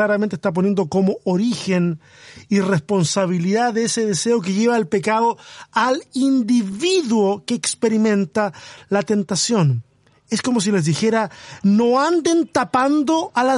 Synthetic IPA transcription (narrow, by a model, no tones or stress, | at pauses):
laɾam̃nt̪est̪ap̬o̞nje̞nd̪o̞komoʔoɾixen | irespo̞nsaβ̞iliðaðeeseðese̞o̞k̬eʝe̞βaelpekaðoalind̪iβiðwokeːkspe̞ɾimẽ̞nt̪alat̪e̞nt̪asjo̞n | esko̞mo̞s̬ile̞zðixe̞ɾanoand̪e̞nt̪apand̪oʔala